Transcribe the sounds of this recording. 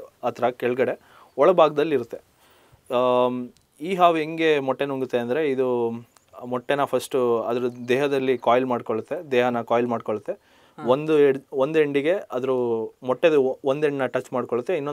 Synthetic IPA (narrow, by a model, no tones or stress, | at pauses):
ɐt̪ɾɐkɛɭɡɐɽe̞ | ɔɭɐbʱaːɡɐd̪ɐlːiɾut̪ːe̞ | iːɦaːʋeŋɡe̞mɔʈːe̞nuŋɡut̪ːeɐnd̪ɐɾe̞id̪u | mɔʈːenɐpʰɐsʈuɐd̪ɐɾud̪ɛːɦɐd̪ɐlːikaːjlmaːɖkoɭut̪ːe̞d̪ɛːɦɐnɐkaːjlmaːɖkoɭut̪ːe̞ | ond̪ueɽond̪eɳɖiɡe̞ɐd̪ɐɾumɔʈːed̪uond̪eɳɖnɐʈɐt͡ʃːmaːɽkoɭut̪ːeinːo